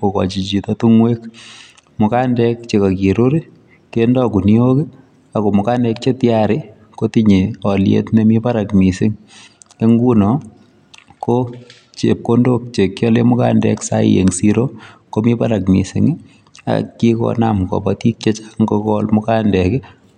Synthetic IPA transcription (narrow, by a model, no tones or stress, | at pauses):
okɔ̰t͡ʃit͡ʃitɔtuŋwek | mʊkandɛkt͡ʃekakiɾuɾi | kendɔkunioki | akomʊkandɛk̚t͡ʃetjaɾɪ | kotiɲeɔljḛtnemipaɾakmisɪŋ | eŋɡunɔ | ko | t͡ʃep̚kondok̚t͡ʃekːjɔlemʊka̰ndɛ̰ksa̰j̰jḛŋsiɾokomipaɾakmḭsɪ̰ŋi | a̰kikɔ̰na̰mkɔ̰batik̚t͡ʃet͡ʃḁŋɡokɔlmʊkandɛkɪ